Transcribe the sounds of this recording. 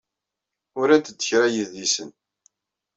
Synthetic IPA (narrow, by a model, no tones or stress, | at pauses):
ʊɾæt̪ːəd̪ːə̥çɾæjəðisən